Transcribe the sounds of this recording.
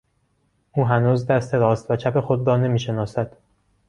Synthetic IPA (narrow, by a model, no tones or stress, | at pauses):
ʔuːɦænuːzd̪æst̪ʰe̞ɾɒːst̪væt͡ʃʰæpe̞xo̞d̪rɒːne̞miːʃe̞nɒːsæd̪̥